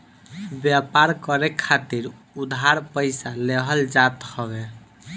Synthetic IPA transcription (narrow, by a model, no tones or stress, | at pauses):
bjapaɾkəɾekʰːat̪iɾ | ud̪ʱɦaɾpəɪsaleɦəld͡ʒat̪hɔbe